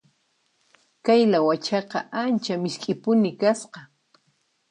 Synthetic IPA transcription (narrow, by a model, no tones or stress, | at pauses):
kajlawat͡ʃɑqɑʔant͡ʃamɪʃkʼɪpʊnɪkasqɑ